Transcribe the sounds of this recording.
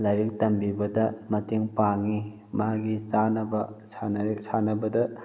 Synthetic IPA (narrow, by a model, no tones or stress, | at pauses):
laɾik̚tɐmbibɐdɐmɐteŋpaŋi | maɡit͡ʃanɐbɐsanik̚sanɐbɐdɐ